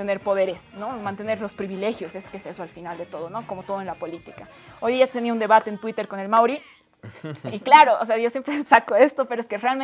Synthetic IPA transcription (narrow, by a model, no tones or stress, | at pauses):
ene̞ɾpo̞ðe̞ɾesno̞mãnt̪ene̞ɾlo̞spɾiβile̞xjo̞seskese̞soalfinald̪e̞t̪o̞ð̞o̞no̞ko̞mot̪o̞ð̞oe̞nlapo̞lit̪ika | o̞jðiat̪e̞niaund̪e̞βat̪e̞ːnt̪wit̪e̞ɾko̞ne̞lmawɾi | iklaɾo̞o̰se̞aʝo̞sje̞mpɾesakoe̞st̪o̞peɾoeskerealmẽ